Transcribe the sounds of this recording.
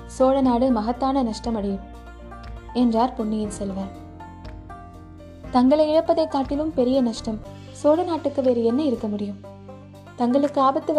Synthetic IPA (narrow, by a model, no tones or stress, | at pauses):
soːɻɐnaːɽɯmɐɣɐt̪ːaːnɐnɐʂʈɐmɐɽɪjɯm | ɛndraːɾpʊɳːɪjɪlsɛlʋaːɾ | t̪ɐŋɡɐɭɐɪɪɻɐpːɐðɐɪt̪ːaːʈːɪlɯmpɛɾɪjɐnɐʂʈɐm | soːɻɐnaːʈːɯkːɯʋeːɾɯɛnːɐɪɾɯkːɐmʊɽɪjɯm | t̪ɐŋɡɐɭɯkːɯaːbɐt̪ːɯʋ